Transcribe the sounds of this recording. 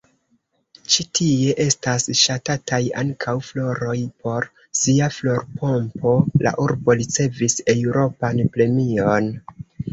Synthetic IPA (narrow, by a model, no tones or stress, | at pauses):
t͡ʃitʰie̞ʔe̞stasʃatataja̰ŋkʰawflo̞ɾo̞jpo̞ɾ | siaflo̞ɾpʰo̞mpo̞la̰ʔuɾbo̞ɾit͡se̞vise̞wɾo̞panpɾe̞mio̞n